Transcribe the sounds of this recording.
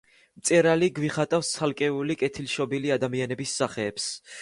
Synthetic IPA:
mt̪sʼɛɾaliɡwiχat̪ʼafst̪sʰalˠkʼɛulikʼɛt̪ʰilʃɔbiliad̪amianɛbisːaχɛːps

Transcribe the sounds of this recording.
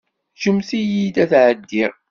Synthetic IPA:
ʃəmsijid̪æθʕəd̪ːiɾ

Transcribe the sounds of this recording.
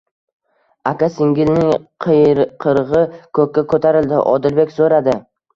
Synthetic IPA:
akʲasɪŋɡʲɪlnɪŋqʰqʰɨɾʁɨkʰɵkʲːakʰɵt̪ʰaɾɪld̪ɪ̰ʔɒ̰d̪ɪlbekʲsoɾad̪ɪ

